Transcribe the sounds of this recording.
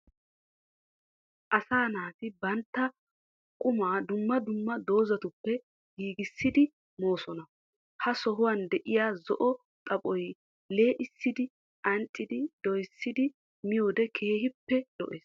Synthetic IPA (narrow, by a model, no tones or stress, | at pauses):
ʔɐsaːnaːt̪ɪbɐnt̪ːɐ | kʼːʊmaːd̪ʊmːɐd̪ʊmːɐd̪o̞ːzɐt̪ʊpːɛ | ɡiːɡɪsːɪd̪ɪ | mo̞ːsɔnɐ | hɐsɔɦʊwɐnd̪ɛʔɪjaːzɔʔɔ | t̪ʼɐpʼɔj | le̞ːʔɪsːɪd̪ɪ | ʔɐntʼːɪd̪ɪd̪̥ɔjsːɪd̪ɪ | mɪjoːd̪ɛkʰeːhɪpːɛd̪̥ɔ̰ʔeːs